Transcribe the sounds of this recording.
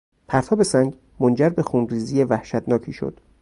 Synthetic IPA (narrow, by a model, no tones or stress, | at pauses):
pʰæɾt̪ʰɒːbe̞sæŋɡ | mond͡ʒæɾbe̞xuːnriːziːjevæhʃæt̪nɒːcʰiːʃo̰d̪̥